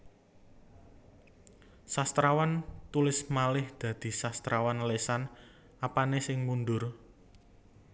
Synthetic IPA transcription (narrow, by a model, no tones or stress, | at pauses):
sast̪ɾawant̪ulɪsmalɪhd̪̥ä̤d̪̥i̤sast̪ɾawanlesan | apanesɪŋmund̪ʊr